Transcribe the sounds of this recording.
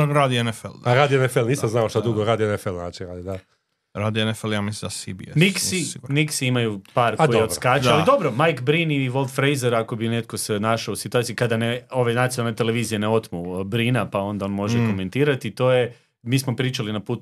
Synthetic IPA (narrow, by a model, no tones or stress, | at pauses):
ɾaːd̪ienefḛlˠaɾaːd̪ioenefelniːssamznaoʃt̪ad̪uɡoɾaːd̪ioenefelna̰t͡ʃiɾad̪id̪a | ɾaːd̪ienefeljamislid̪asibḭemiksiiɡmiksiimajupaːɾkojeoskaːt͡ʃaalˠid̪o̞bɾomajkbɾiniʋo̞lˠfɾejzeɾako̞bine̞t̪ko̞se̞naʃaousit̪uat̪siukad̪aneo̞ʋejnat̪ionalnet̪e̞le̞ʋiːzijeneo̞t̪mubɾinapao̞nd̪aonmo̞ʒeko̞me̞nt̪iːɾat̪it̪o̞ːje | miːsmo̞pɾiːt͡ʃalinapuːt̪